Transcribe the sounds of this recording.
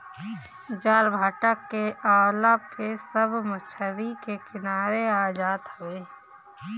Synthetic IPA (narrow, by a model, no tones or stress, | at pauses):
d͡ʒaːɾbʱaːʈəkːeaːlapʰesəbmət͡ʃʰəɾikekɪnaːɾeaːd͡ʒaːd̪həweː